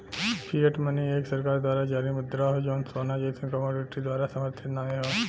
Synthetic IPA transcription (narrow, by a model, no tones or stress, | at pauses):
pʰijəʈmənieːksɐɾkaːɾd̪waːɾad͡ʒaːɾimʊd̪ɾaɦod͡ʒoːnsoːnad͡ʒeːt̪ʰẽkəmoːɾɪʈid̪waːɾasɐməɾt̪ʰɪt̪naːeɦoː